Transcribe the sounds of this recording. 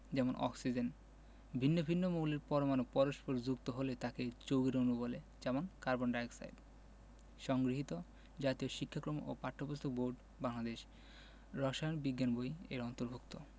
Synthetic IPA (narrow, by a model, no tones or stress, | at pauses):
d͡ʑɛmonʔɔ̰ksid͡ʑen | bʱinːobʱinːomoleɾpɔɾomanok̚pɔɾoʃpoɾd͡ʑukt̪oɦolet̪aket͡ɕowɡeɾonubole | d͡ʑɛmonkaɾbonɖajksa̰jd | ʃɔŋɡɾiɦit̪o | d͡ʑat̪ioʃikʰːakɾomʔo̰paʈ̪ʰːobost̪ʰok̚boɾɖ | baŋlad̪eʃ | ɾɔʃajonbiɡːanbojeɾɔnt̪oɾbʱukt̪o